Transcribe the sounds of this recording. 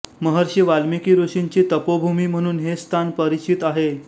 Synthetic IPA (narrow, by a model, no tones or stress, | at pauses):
məɦəɾɕiʋalmikiːɾoɕiɲt͡ɕiːt̪əpobʱumiːm̤əɽ̃uːnɦest̪ʰanpəɾit͡ɕit̪aɦe